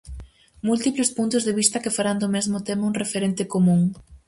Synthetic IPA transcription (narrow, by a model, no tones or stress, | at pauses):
mult̪iplespunt̪ʊzðeβ̞ist̪ɐkefaɾand̪omezmʊt̪emauŋrefeɾent̪ɪkomũŋ